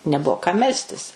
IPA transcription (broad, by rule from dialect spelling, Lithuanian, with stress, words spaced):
nʲɛˈbuɔ kɐm ˈmʲɛlʲsʲtʲɪs